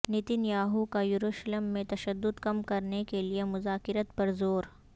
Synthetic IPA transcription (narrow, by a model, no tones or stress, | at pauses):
nɪt̪injaːɦukajʊɾuːʃləmːẽt̪ɐʃəd̪ːʊd̪kɐmkɐɾnekeliemʊzaːkɪɾət̪pɐɾzoːɾ